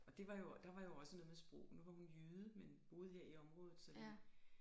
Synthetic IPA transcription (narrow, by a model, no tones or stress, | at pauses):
ɒ̽d̥e̝ʋɑ̈jo̝d̥ɑ̈ʋɑ̈jo̝ɒ̽sənɔ̽ðˠmesb̥ʁɔ̰ʊ̰nuʋɑ̈hunjyːðˠəmenb̥o̝ːð̞̩ˠɦeɐ̰iɒ̽mʁɔ̽ːð̩ˠsɒ̽li